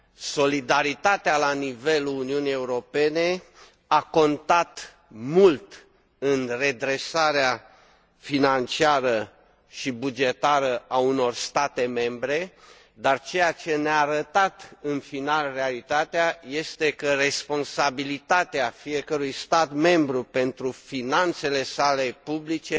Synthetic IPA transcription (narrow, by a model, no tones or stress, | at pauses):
so̞lid̪aɾit̪at̪ealanive̞luːniunije̞uɾo̞pe̞ne̞ | ako̞nt̪at̪ | mult̪ | ɨnre̞d̪ɾe̞saɾea | finant͡ʃiaɾə | ʃibud͡ʒe̞t̪aɾəauno̞rst̪at̪e̞me̞mbɾe̞ | d̪art͡ʃe̞jat͡ʃe̞neaːɾət̪at̪ɨnfinalrealit̪at̪eaje̞st̪e̞kəre̞spo̞nsabilit̪at̪eafije̞kəɾujst̪at̪me̞mbɾupe̞nt̪ɾufinant̪se̞le̞sale̞publit͡ʃe̞